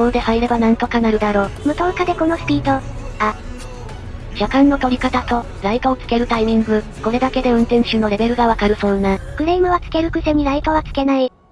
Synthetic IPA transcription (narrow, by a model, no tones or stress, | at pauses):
koːd̪e̞haiɾe̞banãnt̪o̞kanaɾɯ̟d̪aɾo̞ːmɯ̟t̪õ̞kad̪e̞ko̞no̞spʲiːt̪o̞ | a | ʑ̥akãnːo̞t̪o̞ɾʲikat̪at̪o̞ | ɾait̪oːt͡sɨ̥ke̞ɾɯ̟t̪aimʲĩŋɡɯ̟ko̞ɾe̞d̪ake̞d̪e̞ɯ̟̃nt̪ẽ̞ɰ̃ɕɨno̞ɾe̞be̞ɾɯ̟ɡaβakaɾɯ̟sõ̞ːnːãkɯ̟ɾeimɯ̟βat͡sɨ̥ke̞ɾɯ̟kɯ̟semʲiɾait̪oβ̞at͡sɨ̥ke̞nai